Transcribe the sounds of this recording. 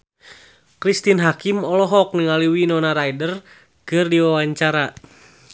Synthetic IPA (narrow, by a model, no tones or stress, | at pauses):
kɾist̪inɦakimɔlɔɦɔk̚niŋaliwinɔnaɾaidər | kɨrdiwawaɲt͡ʃaɾa